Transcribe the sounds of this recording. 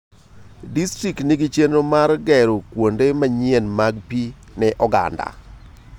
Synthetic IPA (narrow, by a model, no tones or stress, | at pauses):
distɾiktniɡit͡ʃenomarɡɛɾokwondemaɲɪenmaɡpi | nɛʔɔɡa̰nda̰